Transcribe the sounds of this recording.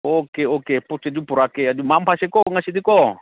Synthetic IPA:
okeokeput͡ʃed͡ʒupuɾakead͡ʒumampasekoŋasid̪iko

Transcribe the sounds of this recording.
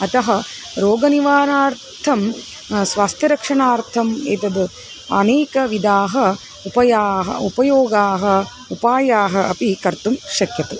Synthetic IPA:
ɐt̪ɐɦɐ | ɾoːɡɐniʋaːnaːɾ | t̪ʰɐm | sʋaːst̪ʰjɐɾɐkʂɐɳaːɾt̪ʰɐmḛːt̪ɐd̪ɨ | ɐ̰neːkɐʋid̪aːɦɐ | upɐjaːɦɐ̰upɐjoːɡaːɦɐ̆ | upaːjaːɦɐɐpikɐɾt̪umʃɐkjɐt̪u

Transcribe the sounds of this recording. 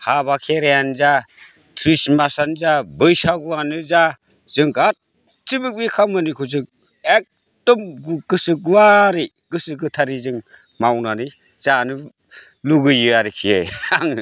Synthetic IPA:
habakʰeɾejanza | tʰɾismasanzabɯjsaɡuwanɯza | z̥ɯŋɡat̚ | t͡ʃibɯk̚bikʰamɯnikʰuzɯŋ̚ | ek̚ | tɔmɡuɡɯsɯɡuwaɾi | ɡ̥ɯsɯɡɯtʰaɾizɯŋ | mawnanɯ | z̥anɯ | luɡɯjɯaɾikʰijejaŋ

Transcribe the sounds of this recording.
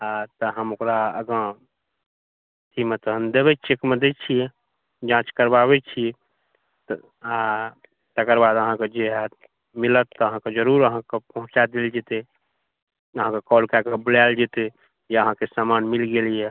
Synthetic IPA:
at̪əɦəmokɾaə̰ɡə | t̪ʰimət̪ɦənd̪eβɛt͡ʃʰekmed̪et͡ʃʰijɛ | d͡ʒãt͡ʃkəɾbaβɛt͡ʃʰijɛ | t̪ | a | t̪əkəɾbad̪əɦãked͡ʒeɦa | milət̪ːɔəɦãked͡ʒəɾuɾəɦãkepəɦũt͡ʃad̪eld͡ʒet̪e | əɦãkekɔlkakebəlald͡ʒet̪e | jeəɦãkesamanmilɡelijɛ

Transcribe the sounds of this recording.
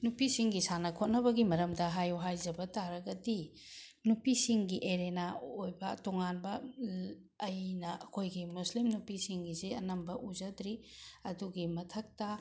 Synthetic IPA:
nupisiŋɡisanɐkʰot̚nɐbɐɡimɐɾɐmdɐɦajuɦajzɐbɐtaɾɐɡɐdi | nupisiŋɡiʔeɾenaojbɐtoŋanbɐː | jnɐɐkʰojɡimuslimnupisiŋɡizeɐnɐmbɐʔuzɐdɾiɐduɡimɐtʰɐk̚tɐ

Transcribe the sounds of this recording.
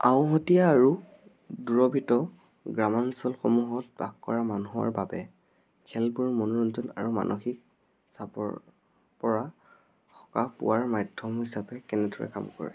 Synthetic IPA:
aʊ̃ɦɔtijaːɹu | duɹɔbʱitɔ | ɡɹamansɔlxomuɦɔt̚ba̰kːɔɹamanuɦa̰ɹbabɛ | kʰɛlbuɹmɔnɔɹɔnzɔna̰ɹuma̰nʔɔxik̚ | sapɔ̰ | pɔɹa | kʰɔ̥kapʊ̰waɹmajdʱːɔmɦisapɛkɛnɛdɔɹɛ̰ka̰mkɔ̰ɹɛ̰

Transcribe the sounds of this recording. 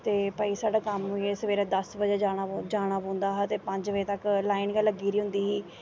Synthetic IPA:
t̪eːpəiːsaːɖaːkəmʊeːsəʋeːɾãːd̪əsbəd͡ʒeːd͡ʒaːɽad͡ʒaːɽ̃aːpõːnd̪aːɦaːt̪eːpəɲd͡ʒʋeːt̪əklaːinɡəlːəɡiːɾiːɦʊ̃nd̪iːɦiː

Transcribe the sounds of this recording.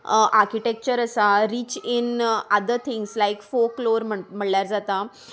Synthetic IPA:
ʔaɾkiʈek̚t͡ɕəɾəsaɾiːt͡ɕinəd̪əɾt̪ʰiŋɡslaikfokloɾməm̤əɽljaɾd͡zat̪a

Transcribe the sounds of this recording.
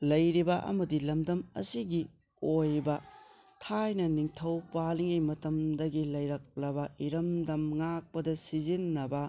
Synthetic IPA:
lɐjɾibɐʔɐ̰mɐdilɐmdɐmɐ̰siɡi | ojbɐ | tʰajnɐniŋtʰɐwpaliŋejmɐtɐmdɐɡilɐjɾɐk̚lɐbɐʔiɾɐmdɐmŋak̚pɐdɐsizinːɐbɐ

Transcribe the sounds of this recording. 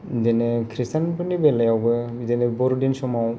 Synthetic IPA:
denekʰɾistanbɯnibelajawbɯdenebɔɾdinsɔmaw

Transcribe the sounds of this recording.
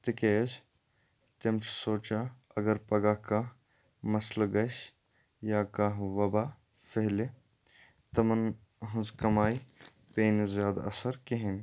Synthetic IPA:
t̪ɪkeːd͡ʒ | t̪ɪmt͡ʃʰsoːt͡ʃaɐɡɐɾpɐɡaːka | mɐslɡɐʃ | jaːkaɦʋɐbaː | fʰeɦle | t̪ɐmɐn | ɦʊzkɐmaːi | peːnzjaːd̪a̰ɐ̰səɾkeɦɪn

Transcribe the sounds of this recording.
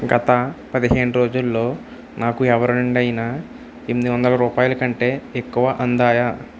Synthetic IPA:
ɡɐt̪ɐpɐd̪iɦe̞ːɳuɾo̞ːd͡ʒulːo̞ː | naːkuɛʋɐɾɐuɳɖɐjinaː | emid̪iʋɐnd̪ɐlɐɾuːpaːjɐlɐkɐɳʈe̞ːekːuʋɐʔɐnd̪aːjaː

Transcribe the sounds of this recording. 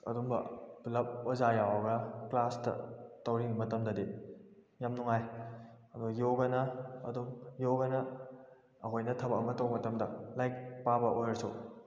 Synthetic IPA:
ɐ̰dumbɐ̰plɐp̚wazajawɐɡɐklastɐ̰tɐwɾinimɐtɐmdɐdi | jamnuŋajɐdujoɡɐnɐɐ̰dumjowɡɐnɐ | ɐkʰojnɐtʰɐbɐkɐmɐtɐwmɐtɐmdɐ̰lajk̚pabɐʔojɐɾsu

